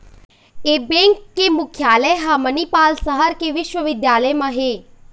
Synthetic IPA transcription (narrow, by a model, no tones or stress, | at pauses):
eːbẽːŋkːemʊkʰjaːləɦaːmənipaːlsɐɦəɾkeʋɪʃwəʋɪd̪jaːləjmãɦeː